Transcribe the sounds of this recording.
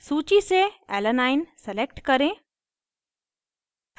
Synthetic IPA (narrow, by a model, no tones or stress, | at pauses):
suːt͡ʃiseɛ̰ːlənaːɪnselek̚ʈkɐɾẽː